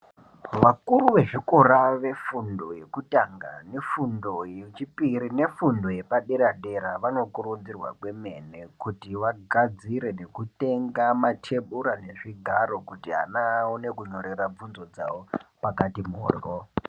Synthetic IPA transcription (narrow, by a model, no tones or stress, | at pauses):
ʋakuɾuʋe̞ʐiko̞raʋe̞fundo̞je̞kutaŋɡa̰ne̞fundo̞jet͡ʃipiɾine̞fundo̞je̞paɗeɾaɗe̞ɾaʋano̞kuɾud͡zirwa̰kwe̞me̞nekutiʋaɡʱad͡ziɾe̞ne̞kute̞ŋɡamatʰe̞ɓuɾane̞ʐiɡʱaɾo̞kutiɦa̰naune̞kuɲoɾirab͡vunzo̞d͡za̰wopakatimo̰ːro